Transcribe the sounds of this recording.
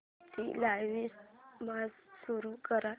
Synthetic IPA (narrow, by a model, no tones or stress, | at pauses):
t̪ḭlajʋismad͡zsuɾukəɾa